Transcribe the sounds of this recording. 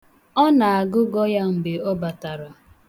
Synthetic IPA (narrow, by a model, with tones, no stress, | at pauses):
ɔ˦na˨a˨ɡʊ˦ɡɔ˦ja˦ŋ͡m̩˨be˨ɔ˦ba˨ta˨ɾa˨